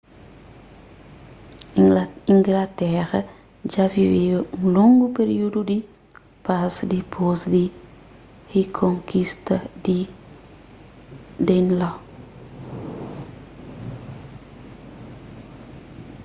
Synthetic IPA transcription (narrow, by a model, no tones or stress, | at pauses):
iŋɡlatɛɾɐ | d͡ʒaviveŋloŋɡupeɾiududi | pasdipʰosdi | hekʰoŋkistɐdi | dɛnla